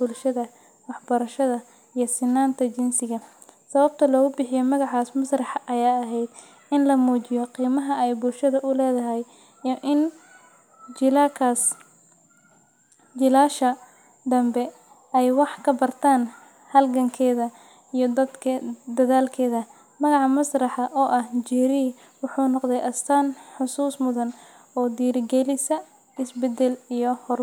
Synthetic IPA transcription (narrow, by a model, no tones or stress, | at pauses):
b̥ʊlʃɐðɐ | wɑħbɐɾɐʃɐðɐ | ijɞsɪnːaːnt̪ʰɐt͡ʃɪnsɪɣɐ | sɐβɐb̚t̪ʰɐlɔːɣʊbɪħɪjɔmɐɣɑʕaːsmɐsrɑħʔɐjaːɐɦɛjd̪ | ɪnlɐmuːt͡ʃɪjɔqiːmɐɦɐɛjbʊlʃɐðɐʔʊlɛːðɐɦɛj | ʔɪn | d͡ʒɪlakʰas | d͡ʒɪlaːʃɐ | d̪ɐmbɛ | ɛjwɑħkʰɐbɐrt̪ʰaːn | hɐlɡɐŋkʰɛːðɐ | ijɞd̪ɐd̪kʰd̪ɐðaːlkʰɛːðɐ | mɐɣɑʕɑmɐsrɑħɑʔɔːʔɐhd͡ʒɛːɾiː | wʊħuːnɔqd̪ɛjʔɐst̪ʰaːnħʊsuːsmʊðɐn | ɔːd̪iːɾɪɡɛlɪsɐ | ɪsbɛd̪ɛlijɞhɔr